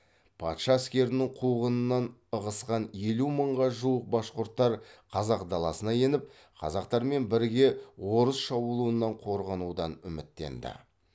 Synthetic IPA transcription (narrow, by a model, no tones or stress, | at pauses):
pʰɑ̰t̪ʃɑæskʲe̞ɾɪnɪŋqʰuʁənənːɑnəʁəsqɑne̞luməɴʁɑʒuwəq̚bɑsqʊɾt̪ːɑɾqʰɑzɑqd̪ɑlˠɑsənɑje̞nɪp̚ | qʰɑ̰zɑqt̪ɑɾme̞nbɪɾɡʲe̞wo̞ɾəsʃɑbulˠuənːɑɴqʰo̞ɾʁɑnud̪ɑnʏmɪt̪ːe̞̰nd̪ɪ̰